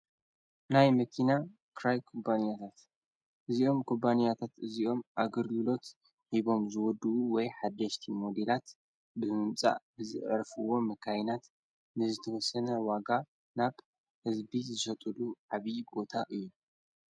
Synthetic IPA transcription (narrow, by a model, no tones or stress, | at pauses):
najmɐkʰina | kʰɾajkʰubanijat̪ʰat̪ | ʔɨziʔo̞mkʰubanijat̪ʰat̪ɨziʔo̞mʔaɡɨɾɡɨlo̞t̪ | ħiβo̞mzɨwɔd̪uʔuwɔjħad̪ːɐʃt̪ʰimo̞d̪elat̪ | bɨmɨmt͡sʼa̰ʔbɨzɨ̰ʔɾfɨwo̞mɐkʰajnat̪ | nɨzɨt̪ʰɐwɔsɐnɐwaɡa | naβ | hɨzbizɨʃɐt̪ʼuluʕaβibo̞t̪ʰaʔɨjːu